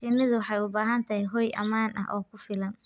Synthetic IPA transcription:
fɪnɪðʊwɑħɑjʊbaːɦɐnt̪ʰɐɦɛɦɔːjʔɐ̰maːnʔɐ̰ʔɔːkʰʊfɪlɐn

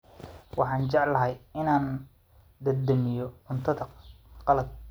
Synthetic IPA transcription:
wɑħɑːnt͡ʃɑʕlːɐɦɐjɪnaːn | d̪ɐd̪ɐmɪjɔʊnt̪ʰɐd̪ɐqɑlɐd̪̚

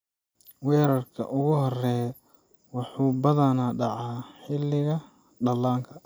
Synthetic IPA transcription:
wɛːɾɐrkʰɐ̰ʔʊɣʊhɔrɛː | wɑħuːbɐðɐnaɖɑʕɑːħɪlːɪɣɐ | ɖɐlːaːŋkʰɐ

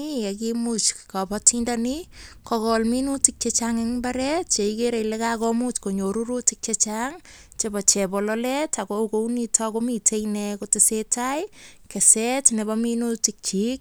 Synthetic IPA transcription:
iakimut͡ʃkapɔtindanikɔkɔlminutik̚t͡ʃet͡ʃaŋeŋmbaɾɛtt͡ʃeikeɾejlekakɔmut͡ʃkoɲoɾuɾutik̚t͡ʃet͡ʃaŋt͡ʃebɔt͡ʃɛbɔlɔlɛtakokounitʰɔkomitʰejnɛkotɪsetajkesɛtnebɔminutik̚t͡ʃik̚

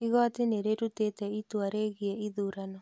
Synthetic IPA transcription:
iɣɔateneɾeɾutetɛitwaɾeɣiɛiðuːɾanɔ

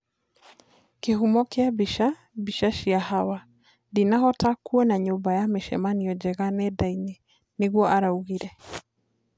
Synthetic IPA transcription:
keɦumɔkeabiʃa | biʃaʃiahawa | dinaɦɔtakuɔnaɲobajameʃɛ̰maniɔd͡ʒɛɣanɛdaine | neɣwɔʔaɾauɣiɾɛ

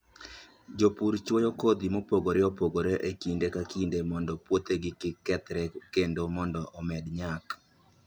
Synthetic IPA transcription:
d͡ʒopuɾt͡ʃwojokod̪imopoɡoɾɪɔpoɡoɾeʔekindekakindemɔndɔpwot̪eɡɪkɪkɛt̪ɾɛkendomɔndɔʔɔmɛdɲak

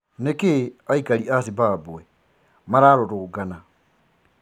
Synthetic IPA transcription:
nekeaikaɾiasibabuɛ | maɾaɾoɾoɡana

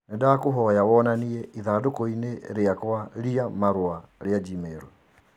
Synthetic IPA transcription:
nedakoɦɔjawɔnaniɛʔiðaːdokɔineɾeakwaɾiamaɾwaɾead͡ʒimeːɾwɛ

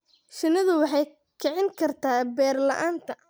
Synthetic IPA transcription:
ʃɪnɐðʊwɑħɑj | kʰɛʕɪŋkʰɐrt̪ʰaːbɛːrlɐʔaːnt̪ʰɐ

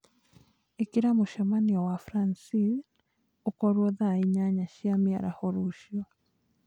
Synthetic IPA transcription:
ekiɾamoʃɛmaniɔwafɾansi | okɔɾwɔðaiɲaɲaʃiamiaɾa̰hɔɾuʃiɔ

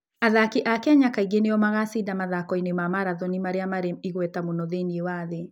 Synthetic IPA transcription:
aðakiʔakaɲakaiɡenejɔmaɣasidamaðakɔinemamaɾaðɔnimaɾeamaɾemiɣwɛtamunɔðeniewaðe

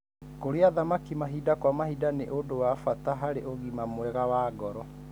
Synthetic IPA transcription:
koɾeaðamakimaɦidakwamahidaneʔodowafataɦaɾeʔoɣimamwɛɣawaːɡɔɾɔ

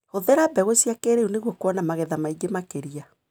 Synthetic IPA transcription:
hoðɛɾabɛɣosiakeɾeuneɣwɔkwɔnamaɣɛðamaiɡemakeɾia

